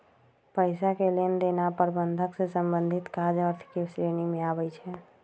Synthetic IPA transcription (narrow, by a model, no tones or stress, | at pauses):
pəɪsakelend̪enapəɾbənd̪ʱəksesəmbə̃nd̪ʱɪt̪kad͡ʒəɾt̪ʰkeʃɾeːnimẽaːbəjt͡ʃʰɛ